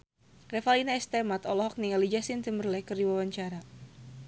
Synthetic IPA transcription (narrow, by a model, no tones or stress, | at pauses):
rɛfalinaɛst̪ɛmat̪ɔlɔɦɔk̚niŋalid͡ʒasint̪imərlɛkərdiwawaɲt͡ʃaɾa